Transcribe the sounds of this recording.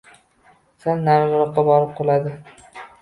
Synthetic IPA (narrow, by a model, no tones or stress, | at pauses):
sanːaɾʁɾɒqːɑbɒɾɪp̚qʰolad̪ɪ